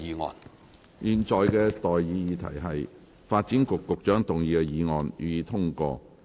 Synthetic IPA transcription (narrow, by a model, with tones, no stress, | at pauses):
iː˨˧ŋɔ̰ː˨n | jiː˨nt͡ʃɔː˨jkɛː˧t̪ɔː˨jːiː˨˧jiː˨˧t̪ʰɐ̰˨˩jɦɐ˨j | faː˧t̚t͡siː˨˥nkʊ˨kːʊ˨k̚t͡ʃœː˨˥ŋt̪ʊ˨ŋjiː˨˧kɛ˧jiː˨˧ŋɔː˨njy̰ː˨˧jiː˧t̪ʰʊ˥ŋkɔ̰ː˧